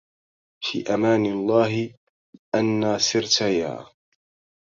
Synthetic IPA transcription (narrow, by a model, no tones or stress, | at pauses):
fḭːʔamaːnɪlˤːaːɦɪ | ʔanːaːsɪɾt̪aja̰ː